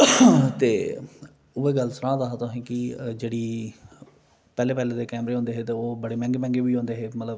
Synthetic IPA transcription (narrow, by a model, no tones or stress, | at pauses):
t̪eː | ʊeːɡəlsəɾãːd̪aːɦat̪ʊɦĩːkɪd͡ʒeːɽiː | pɛːleːpɛːleːd̪eːkɛːmɾeːɦõːnd̪eːɦeːt̪eːoːbəɽeːmɛ̃ːŋɡeːmɛ̃ːŋɡeːbiːɦõːnd̪eːɦeːmət̪ləb